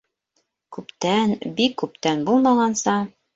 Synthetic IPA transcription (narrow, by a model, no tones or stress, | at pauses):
kʉpt̪ænbikːʉpt̪ænbulˠmɑʁɑnsɑ